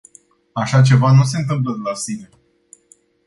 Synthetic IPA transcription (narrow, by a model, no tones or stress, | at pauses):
aʃat͡ʃe̞vanus̬e̞ɨnt̪̬ɨmp̬ləd̪elasine̞